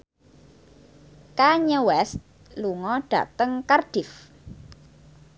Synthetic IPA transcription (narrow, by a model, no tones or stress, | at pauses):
kaɲəwɛst̪̚ | luŋɔɖ̥ä̤̰ʔt̪əŋkarɖ̥ɪf